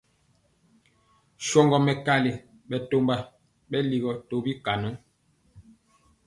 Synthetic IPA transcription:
ʃɔ˦ŋɡɔ˨mɛ˨ka˦le˨ | ɓɛ˨to˦mba˦ | ɓɛ˦li˨ɣɔ˨to˦bi˦ka˨nɔ˨˦

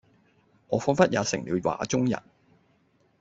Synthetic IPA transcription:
ŋɔː˨˧fɔː˨˥nfɐ˥t̚jaː˨˧sɪ˨˩ŋliː˨˧wwa̰ː˨˧t͡sʊ˥ŋjɐ̰˨˩n

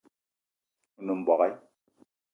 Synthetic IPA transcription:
u˦nu˨m̩˨bɔ˨ɣɛ˦j

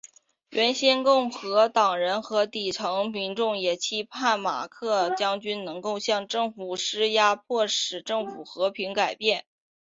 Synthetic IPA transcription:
ɥʔɛ˧˥nɕjɛ˥nkʊ˥˩ŋxɤ˧˥t̪ɑ˨˩ŋɻə˧˥nxɤ˧˥t̪i˨˩ʈ͡ʂʰɤ˧˥ŋmi˧˥nʈ͡ʂʊ˥˩ŋjɛ˨˩t͡ɕʰi˥pʰa˥˩nma̰˨˩kʰɤ˥˩t͡ɕjɑ˥ŋt͡ɕy˥nnɤ˧˥ŋko˥˧ʊɕjɑ˥˧ŋʈ͡ʂɤ˥˩ŋfu˨˩ʂɻ̩˥ja˥pʰwɔ˥˩ʂɻ̩˨˩ʈ͡ʂɤ˥˩ŋfu˨˩xɤ˧˥pʰi˧˥ŋka˨˩ɪpjɛ˥˩n

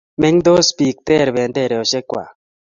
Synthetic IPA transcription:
mɛ˦ŋd̪o˦spi˨k̚t̪ɛ˦˨ɾβe˨ndɛ˦˨ɾɛ˨ɔ˨ʃe˦kwa̰˨

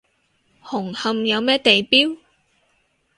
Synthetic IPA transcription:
hʊ˨˩ŋhɐ˧mjɐ˨˧wmɛː˥t̪e˨jpiː˥w

